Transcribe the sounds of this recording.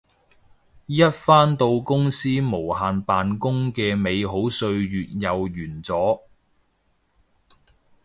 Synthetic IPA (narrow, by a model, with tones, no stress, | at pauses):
jɐ˥t̚faː˥nt̪o˧wkʊ˥ŋsiː˥mo˨˩whaː˨npaː˨nkʊ˥ŋkɛː˧me˨˧jɦo˨˥wsɵ˧ɥjyː˨t̚jɐ˨wjyː˨˩nt͡sɔː˨˥